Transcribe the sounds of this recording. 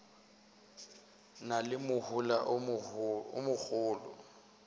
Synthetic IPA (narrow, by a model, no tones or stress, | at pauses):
nalɪmʊhʊlaʔ | ʊ̰mʊk͡xʰʊːlɔ̰